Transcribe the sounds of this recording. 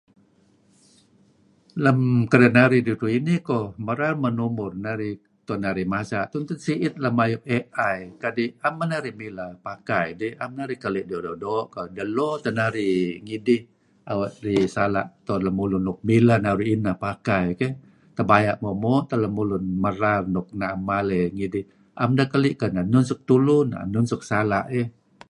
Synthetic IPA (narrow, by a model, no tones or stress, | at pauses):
ləmkəɾənaɾidiɾuinikɔməɾamənumʊrnaɾi | t̪ɔnaɾimasat̪unt̪ʊnsiʔɪt̪̚ləmajʊp̚eʔajkadiamːənaɾihmilapakajdiamnaɾikəliʔdɔdɔdɔʔkodəlɔt̪ənaɾiŋidɪh | awaʔ̪risala̰ʔt̪ɔnlamulʊnːɔk̚milanaɾiinapakajkɛ | t̪əbajaʔmɔmɔʔt̪aləmulʊnməɾarnɔk̚namaleŋidɪh | ʔamdakəliʔkananunsʊk̚t̪ulʊna̰nunsʊk̚sala̰ʔe